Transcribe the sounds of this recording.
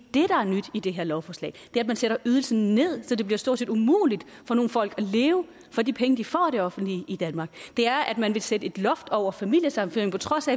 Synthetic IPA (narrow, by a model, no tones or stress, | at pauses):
d̥e̝ɾ̥ɑ̈æɐnyd̥id̥e̝ɦeɐlɒʊfɒːslɛ̰ːd̥eæɐæd̥mænseɾ̥ɐʔyːð̞ˠl̩sn̩ne̝ð̞̰ˠsɒ̽d̥e̝b̥liɐsd̥o̝ɐ̰d̥sʰe̝ːd̥umṵːlid̥ | fɒ̽no̝ːn̩fɒ̽l̰ɡ̥æle̝ːʊə | fɒ̽dipʰeŋəd̥ifɒ̰ːd̥eɒ̽fn̩d̥liːd̥ænmɑ̈ːɡ̥d̥e̝æɐʔæd̥mænʋe̝sedəe̝d̥lɒ̽fd̥ɒʊ̰ɐfæmil̰jəsɑ̈mnføeŋ̩pʰɒ̽t͡sʰʁɒ̽sæ